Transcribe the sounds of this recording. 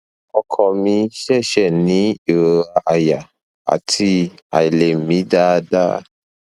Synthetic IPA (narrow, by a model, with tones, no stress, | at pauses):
ɔ˧kʰɔ˨mĩ˧ʃɛ˦˨ʃɛ˦˨nĩ˨˦e˨ɾo˧a˧ʔa˨ja˨ | a̰˨tʰi˧a̰˨i˨le˨˦m̩˨mĩ˨˦da˦da̰˦